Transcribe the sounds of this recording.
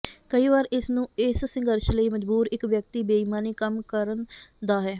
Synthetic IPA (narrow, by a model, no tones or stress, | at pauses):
kəiːʋaːɾɪsnũːɪssɪ̃ŋɡəɾʃləiːməd͡ʒbuːɾɪkʋjək̚t̪iːbeːmaːniːkəmkəɾənd̪aːɦɛː